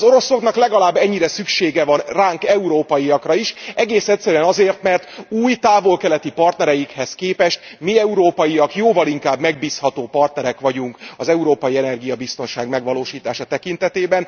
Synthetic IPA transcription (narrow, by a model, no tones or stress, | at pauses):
zo̞ɾo̞so̞knɒklɛɡɒlaːbːɛɲːiɾɛsykʃeːɡɛvɒnraːŋkɛuɾoːpɒjiɒkrɒiʃɛɡeːsɛt̪ʲsːɛɾyɛnɒzeːrt̪mɛrt̪uːjt̪aːvo̞lkɛlɛt̪ipɒrt̪nɛɾɛjikhɛskeːpɛʃt̪̚miɛuɾoːpɒjiɒkjoːvɒliŋkaːbmɛɡ̚biːshɒt̪oːpɒrt̪nɛɾɛkʋɒɟuŋkɒzɛuɾoːpɒjiɛnɛrɡijɒbist̪o̞nʃaːɡmɛɡʋɒloːʃiːt̪aːʃɒt̪ɛkin̪t̪ɛt̪eːbɛn